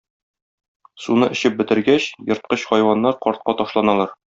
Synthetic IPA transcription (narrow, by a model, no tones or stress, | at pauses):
sunɤʔɘ̆ɕɘp̚bɘ̆t̪ɘ̆ɾɡæɕjɤ̆ɾt̪̚qɤɕχɒjwɑnːɑɾqɒɾt̪̚qɑt̪ɒʃlˠɑnɑlˠɑɾ